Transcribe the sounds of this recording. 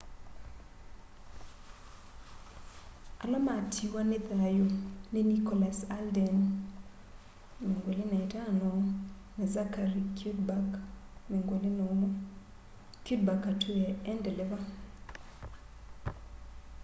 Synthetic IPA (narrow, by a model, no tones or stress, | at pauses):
alamatʰiwanet̪aajonenikɔlasaldɛn | mŋɡwolinaitanɔ | nɛzakaɾik | meŋɡwoln | kud̚bakatʰuɛɛndɛlɛva